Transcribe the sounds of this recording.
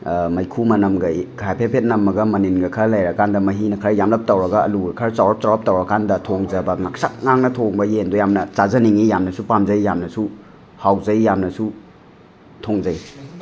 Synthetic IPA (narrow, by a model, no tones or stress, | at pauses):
mɐjkʰumɐnɐmɡɐɡajpʰepʰet̚nɐmːɐɡɐmɐninɡɐkʰɐlajɾɐkandɐmɐɦinɐkʰɐɾjamlɐp̚tɐwɾɐɡɐ̰ːluɾɐkʰɐɾt͡ʃawɾɐp̚tawɾɐp̚tɐwɾɐkandɐtʰoŋzɐbɐŋaksak̚ŋaŋnɐtʰoŋbɐjendojamnɐt͡ʃazɐniŋijamnɐsupamzɐjjamnɐsu | hawzɐjjamnɐsu | tʰoŋzɐj